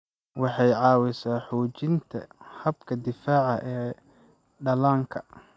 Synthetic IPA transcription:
wɑħɑjʕɑːwɪsaːħuːt͡ʃɪnt̪ʰɐ̰hɐbkʰɐd̪ɪfaːʕɑʔɛː | ɖɐlaːŋkʰɐ̥

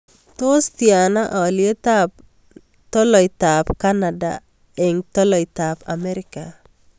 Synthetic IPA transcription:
t̪ost̪janaʔaɔljetap̚ | tɔlɔitapkanada̰ | eŋtɔlɔitapa̰mɛɾɪka

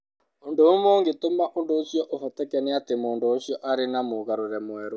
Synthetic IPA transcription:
ondoomoːŋɡetomaʔondoːʃjɔʔohɔtɛkɛneatemoːndoːɕijɔʔaɾenamoɣaɾoɾɛmwɛɾo

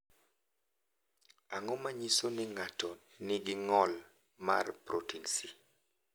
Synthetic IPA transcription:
aŋɔmaɲisonɪŋatɔ | nɪɡɪŋɔl | marpɾotinsi

